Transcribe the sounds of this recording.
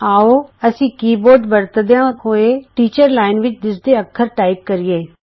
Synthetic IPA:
aːoːəsĩːkiːboːɾɖbəɾt̪d̪eãɦoːeːʈiːt͡ʃəɾlaːɪnʋɪt͡ʃd̪ɪsd̪eːəkʰːəɾʈaːɪp̚kəɾɪjeː

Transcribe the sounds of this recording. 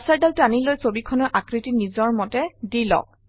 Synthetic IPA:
saɹdaltanilojsobikʰɔnɔɹʔakɹitinizɔɹmɔtɛdilɔ̰k̚

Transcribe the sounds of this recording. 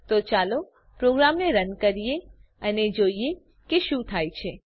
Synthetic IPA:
t̪ot͡ʃalo | pɾoɡɾamneɾənkəɾije | əned͡ʒoie | keʃũt̪ʰajt͡ʃʰe

